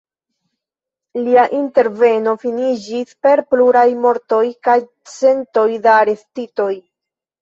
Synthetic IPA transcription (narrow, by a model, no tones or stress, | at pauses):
liaʔinte̞ɾve̞no̞finid͡ʒispe̞ɾpluɾajmo̞ɾto̞jkaj | t͡se̞nto̞jdaːɾe̞stito̞j